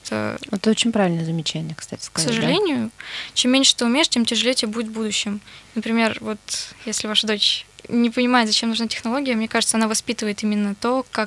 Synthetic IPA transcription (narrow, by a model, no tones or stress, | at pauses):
t̪ə̰ot̪ɛt̪əot͡ɕɪnʲpɾaɪlʲnəzəmʲɪt͡ɕænʲɪjəkst̪a̰tʲɪ̥skksəʐɨlʲenʲɪjʊt͡ɕemʲːenʲʂɨ̥t̪ɨʊmʲeɪʂtʲemtʲɪʐɨlʲetʲbudʲɪt̪vbud̪ʊɕːɪmnəpɾʲɪmʲe̞rvo̞t̪jesʲlʲɪvaʂəd̪ot͡ɕnʲɪpənʲɪmaɪt̪zɐt͡ɕemnuʐnatʲɪ̥xnɐlˠoɡʲɪjəmnʲekaʐɨt̪səɐnavɐspʲit̪ɨvəjɪt̪imʲɪnːət̪okak